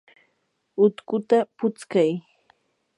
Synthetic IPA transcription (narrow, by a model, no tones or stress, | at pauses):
ʊt̪kʊt̪apʊt͡skaj